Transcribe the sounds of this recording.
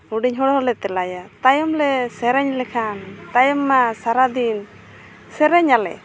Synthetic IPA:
uɖiɲɦɔɽɔɦɔlɛt̪ɛlajat̪ajɔmlɛsɛɾɛɲlɛkʰant̪ajɔmːasaɾad̪in | sɛɾɛɲalɛ̰

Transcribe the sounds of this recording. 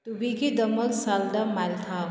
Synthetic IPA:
t̪ubʱikid̪ɐməlsald̪amalt̪ʰaː

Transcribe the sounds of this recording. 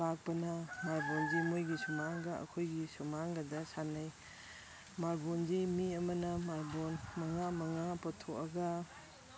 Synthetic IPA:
pak̚pɐnɐmaɾbɔnzimojɡisumaŋɡaɐ̰kʰojɡisumaŋɡɐdɐsanaj | maɾbɔnzimiɐmɐnɐmaɾbonmɐŋamɐŋapɐtʰoɐɡa

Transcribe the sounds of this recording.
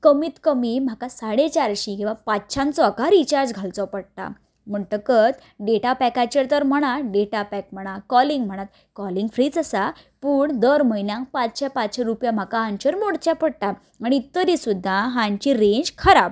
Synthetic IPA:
kəmiːt̪kəmiːm̤akasaɽet͡ɕaɾɕĩkĩʋapatːɕʰãnt͡sɔəkaɾit͡ɕaɾd͡zɡʱalt͡sɔpəɽʈ̪a̰ | m̤əɳʈ̪əkət̪ | ɖeʈapɛkat͡ɕəɾt̪əɾm̤əɽ̃ãɖeʈapɛk̚m̤əɽ̃akɔlĩŋɡm̤əɽ̃at̪̚ | kɔliŋɡfɾiːd͡zəsa | puːɳd̪əɾməinjãŋk̚pat͡sɕapat͡sɕaɾupjam̤akaɦãɲt͡ɕəɾmoɽt͡ɕapəɽʈa | aɽ̃it̪ːəɾisud̪ʱːaɦãɲt͡ɕiɾeɲd͡ʑkʰəɾab

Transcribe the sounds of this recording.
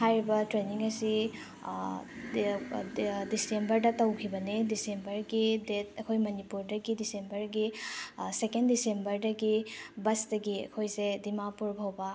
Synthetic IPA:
hajɾibɐtɾeniŋɐsi | disembɐɾdɐtɐwkʰibɐnedisembɐɾɡidet̚ɐkʰojmɐnipuɾdɐɡidisembɐɾɡisekendisembɐɾdɐɡibɐsdɐɡiɐ̰kʰojsedimapuɾbʱawbɐ

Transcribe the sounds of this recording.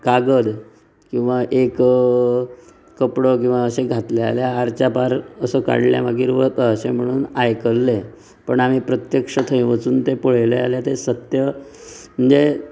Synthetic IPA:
kaɡəd̪ | kĩw̃ʋaʔek | əpɽək̬ĩw̃ʋaəseɡʱat̪lea̰ljaːɾt͡ɕapaɾəsəka̰ɽlja̰maɡʱiːɾʋət̪əəsem̤əɽ̃uːnajkəlːe | pəɳamiːpɾət̪jəkʂət̪ʰəĩʋət͡suːnt̪epoɭajlea̰ljat̪esət̪jəm̤əɳd͡ze

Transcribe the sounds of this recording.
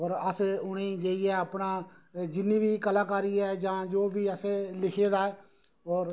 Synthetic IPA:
ɔːɾəsʊɳeːd͡ʒeːiɛːəpnaːd͡ʒɪnĩːbiːkəlaːkaːɾiːɛːd͡ʒãːd͡ʒoːbiːəselɪkʰeːd̪aːɛː | ɔːɾ

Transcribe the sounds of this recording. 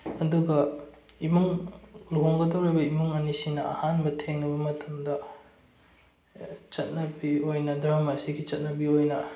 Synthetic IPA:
ɐduɡɐ | imuŋloŋɡɐdɐwɾebɐimuŋɐnisinɐɐ̰hanbɐtʰeŋnɐbɐmɐtʰɐmdɐ | t͡ʃɐt̚nɐbiojnɐdɾamɐsiɡit͡ʃɐt̚nɐbiojnɐ

